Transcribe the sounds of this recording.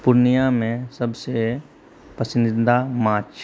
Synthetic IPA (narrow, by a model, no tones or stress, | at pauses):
pʊɾnijamẽsəbse | pəsɪnd̪amãːt͡ʃ